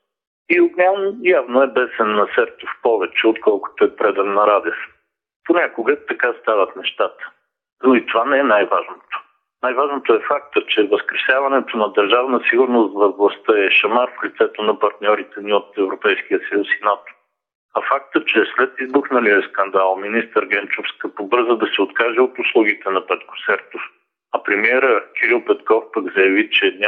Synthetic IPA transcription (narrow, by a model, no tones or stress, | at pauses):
iʊɡnʲamnjavnoɛbɛsɛnːɐsɛɾt̪ofpɔvɛt͡ʃɛot̪kɔlˠkʊ̥t̪ʊɛpɾɛd̪ɛnːɐɾad̪əs | ponʲakʊɡət̪ɐkast̪avɐt̪nɛʃt̪at̪ə̥ | noit̪ovanɛɛnajvaʒnot̪o̥ | najvaʒnot̪oɛfak̚t̪ət͡ʃɛvəskɾɛsʲjavɐnɛt̪onɐd̪əɾʒavnəsiɡʊɾnost̪vɐvlˠɐst̪əɛʃɐmaɾflit̪sɛt̪onɐpɐɾt̪nʲɔɾit̪ɛniot̪ɛvɾopɛjsk̟ijəsəjusinat̪o̥ | ɐfak̚t̪ət͡ʃɛslɛt̪izbuxnəliəskɐnd̪alˠminist̪əɾɡɛnt͡ʃofskəpobɤɾzəd̪ɐsɛot̪kaʒɛot̪ʊslˠuɡit̪ɛnɐpɛt̪̚ko̥sɛɾt̪of | ɐpɾɛmiɛɾəkʲɛɾilˠpɛt̪kɔfpəɡzɐjɐvit͡ʃɛd̪nʲ